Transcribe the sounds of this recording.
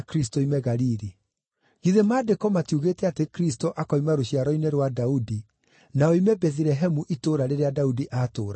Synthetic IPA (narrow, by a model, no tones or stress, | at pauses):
kɾis̬toimɛɣaɾiːɾi | ɣiðemaːdekɔmatiuɣeːtɛatekɾis̬toʔakɔimaɾoɕiaɾɔineɾwadaudi | naɔimɛbɛðɾɛɦɛmuʔitoːɾaɾeɾeadaudiʔatoːɾa